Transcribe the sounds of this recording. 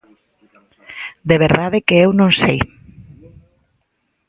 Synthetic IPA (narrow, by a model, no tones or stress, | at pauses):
d̪eβ̞eɾðaðekeewnõnsej